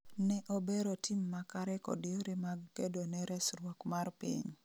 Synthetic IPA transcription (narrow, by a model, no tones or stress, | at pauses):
nɛʔobeɾotimːakaɾɛkɔ̰dɪoɾemaɡkedonɛɾɛsɾwɔkmarpḭɲ